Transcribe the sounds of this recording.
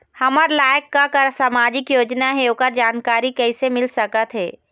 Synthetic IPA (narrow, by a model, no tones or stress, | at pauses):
hɐməɾlaːjəkːakəɾsamaːd͡ʒɪkjoːd͡ʒnaɦɛokəɾd͡ʒaːnkaːɾikɛːsemɪlsəkət̪ɦɛ̰ː